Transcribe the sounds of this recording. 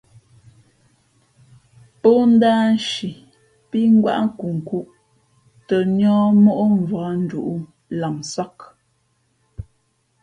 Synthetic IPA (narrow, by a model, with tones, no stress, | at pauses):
po˦n̩˦daː˦n˦ʃi˨ | pi˦ŋ̩˦ɡwa̰˦ʔ̩˦ku˨ŋ̩˨ku˦ʔ | tə˨ɲɔː˦mo˦ʔo˦ɱ˨vɔ˨˦n̩˦du˨ʔu˦ | la˨ŋsa˦k̚